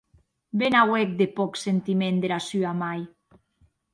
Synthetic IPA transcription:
benawek̚d̪epɔksent̪imẽnd̪eɾasyamaj

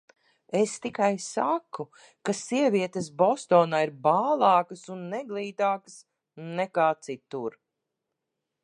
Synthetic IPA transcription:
est̪ikajsakːu | kasiɛviɛt̪esbɔst̪ɔːnaːiɾbaːlˠɑːkɐsunːɛɡlˠiːt̪aːkəs | nɛkaːt̪sit̪uɾ

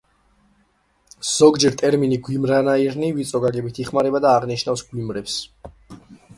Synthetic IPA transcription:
z̥ɔɡd͡ʒɛɾt̪ʼɛɾminiɡwimɾanaiɾnivit̪sʼɔɡaɡɛbit̪ʰiχmaɾɛbad̪aːʁniʃnafsɡwimɾɛps

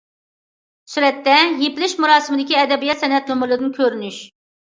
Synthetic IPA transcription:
syɾɛt̪ːɛjepɪlɪʃmuɾɑːsɪmɪd̪ɪkʲiɛd̪ɛbijɛt̪sɛnɛt̪numɨlˠɨd̪ɨnkʲʰøɾynyʃ

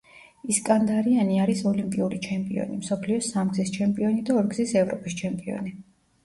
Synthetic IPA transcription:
iskʼand̪aɾianiaɾisɔlimpʼiuɾit͡ʃʰɛmpʼiɔ̰nimsɔpʰliɔsamɡzist͡ʃʰɛmpʼiɔnid̪aɔɾɡzisɛvɾɔpʼist͡ʃʰɛmpʼiɔ̰ni

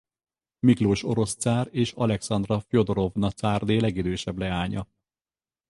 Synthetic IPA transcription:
mikloːʃo̞ɾo̞st̪saːreːʃɒlɛksɒnd̪rɒfjo̞d̪oɾo̞vnɒt̪saːrd̪eːlɛɡid̪øːʃɛblɛaːɲɒ

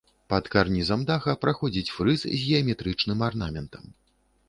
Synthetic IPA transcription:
pɐt̪karnʲizamd̪axɐpɾaxɔd͡zʲit͡sʲfɾɨszʲɣʲɛɐmʲɛt̪ɾɨt͡ʂnɨmarnamʲɛnt̪ɐm

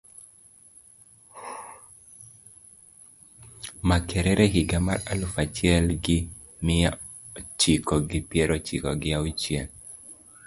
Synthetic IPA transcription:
makʰɛɾɛɾʔɛhiɡamaɾalʊfat͡ʃɛlɡɪ | mɪa | t͡ʃikɔɡɪpjɛɾɔt͡ʃḭkɔ̰ɡɪawit͡ʃjen

